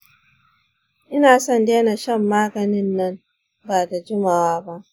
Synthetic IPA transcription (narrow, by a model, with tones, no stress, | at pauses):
ʔɪ˦naː˨sɔ˦˨ndeː˦na˨ʃɐ˦mːaː˦ɡɐ˨nɪ˦nːɐ˦m | ba˨da˨d͡ʒʊ˦ma˨waː˦ba˦ʔ